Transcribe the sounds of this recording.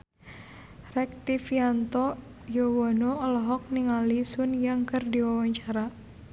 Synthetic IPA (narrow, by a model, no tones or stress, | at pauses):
rɛk̚t̪ifiant̪ɔ | jowɔnoɔlɔɦɔk̚niŋalisʊnjaŋkərdiwawaɲt͡ʃaɾa